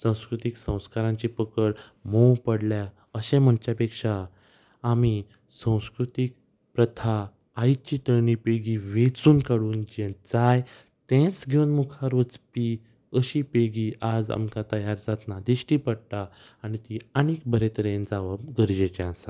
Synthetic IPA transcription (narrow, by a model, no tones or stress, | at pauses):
sə̃w̃skɾut̪iksə̃w̃skaɾãɲt͡ɕipəkəɽmowpəɽlja | əɕẽm̤əɳt͡ɕjapekʂaː | mi | sə̃w̃skɾut̪ik̚ | pɾət̪ʰaː | jt͡ɕit̪əɾɳipeɡiʋet͡suːnkaɽuːnd͡ʑɛ̃d͡zaj | t̪ẽt͡sɡʱeunmukʰaɾut͡spi | əɕipeɡiʔad͡za̰mkat̪əjaɾd͡zat̪nad̪iɕʈiːpəɽt̪aː | ɽit̪ianik̚bəɾet̪əɾẽnd͡zaʋaɡəɾd͡ʑet͡ɕeãsa